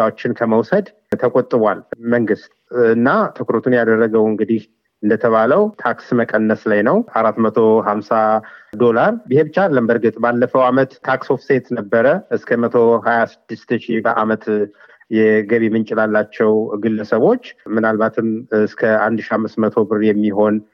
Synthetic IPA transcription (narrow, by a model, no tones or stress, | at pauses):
awot͡ʃːɪnkʰəməwsəd̪ | t̪ʰəkʼot̪ʼːɨβwalməŋɡɨst̪ɨnːat̪ʰɨkɾot̪ʰunjad̪ərːəɡəwɨŋɡɨd̪ih | ɨnd̪ət̪ʰəβaləwt̪ʰaksməkʼənːəslajnəwʔaɾat̪mət̪ʰo̞ɦamsad̪o̞laɾbɨhe̞bɨt͡ʃːalːəmbəɾɡɨt̪ʼbalːəfəwamət̪ʰːaksofset̪nəbːəɾəʔɨskʰəmət̪ʰo̞hajasɨd̪̥ːɨst̪ɨʃibəʔa̰mət̪ | jɛɡəβimɨnt͡ʃʼɪlalːat͡ʃːɛwɡɨlːəsəβo̞t͡ʃːmɨnalbat̪ʰɨmskʰəand̪ʃiamːɨst̪mət̪ʰo̞bɨrjɛmːiɦo̞n